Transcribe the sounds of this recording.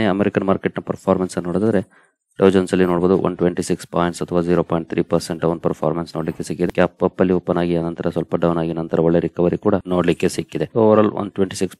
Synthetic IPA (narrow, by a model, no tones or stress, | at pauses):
eɐmeɾikɐnmaːɾkeʈnɐpɐɾpʰaːɾmɐnsɐnnoːɽɐd̪ad̪ɐɾe̞ | ɖɐwd͡ʒɐnsɐlːinoːɽboːd̪uʋɐ̰nʈʋeɳʈisikspaːjiɳʈsɐt̪ʰɐʋaːziːɾopaːiɳʈ̚t̪ʰɾiːpɐɾseɳʈɐʋɐnpɐɾpʰa̰ːɾmɐnsnoːɽlikːesikːid̪ekaːpːɐpːɐlːiopːɐnaːɡiaːnɐnt̪ɐɾɐsʋɐlpɐɖɐwnaːɡinɐnt̪ɐɾɐɔɭːeɾikɐʋɐɾikuːɽɐnoːɽlikːesikːid̪eoːʋɐɾaːlʋɐ̰nʈʋeɳʈisiks